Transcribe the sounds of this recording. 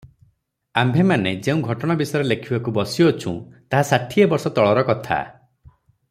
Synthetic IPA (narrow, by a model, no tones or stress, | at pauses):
ambʱemaned͡ʒeũɡʱɔʈɔɽ̃abisɔjɾelekʰibakubɔsijɔːt͡ʃʰṵ̃t̪aɦasaʈʰiebɔɾsɔt̪ɔɭɔɾɔkɔt̪ʰa̰